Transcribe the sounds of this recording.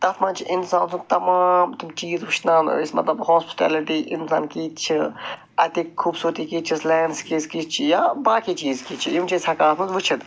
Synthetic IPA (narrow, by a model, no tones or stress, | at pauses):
d̪̥ɐt̪ʰmãnt͡ʃʰiʔɪnsaːnsut̪ɐmaːmt̪umt͡ʃiːzʋɨʃʰnaːnismɐ̰t̪lɐbhɔːspi̥t̪ɛ̰ːliʈ̪iʔɪnsa̰ːnkiːt̪t͡ʃʰi | ɐt̪ikkʰːuːbsuːɾt̪ikiːt̪t͡ʃʰislɛːnskiːzkiːt̪̚t͡ʃʰijaːbaːkiːt͡ʃiːzkiːt͡ʃʰijimt͡ʃiːzɐkaːsmɨzʋɨt͡ʃʰid̪